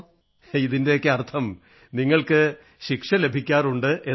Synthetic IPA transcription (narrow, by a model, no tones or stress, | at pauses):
iðinde̞jokːeɐrt̪ʰɐm | niŋːɐɭkɨ | ɕikʂɐle̞bʱikʲːaːruɳɖɨʔe